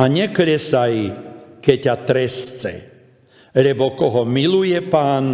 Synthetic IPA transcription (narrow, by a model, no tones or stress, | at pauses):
aɲɛkɾɛsajkɛcːat̪ɾɛst͡sɛ̰ | lɛbɔkɔɦɔmilujɛpaːn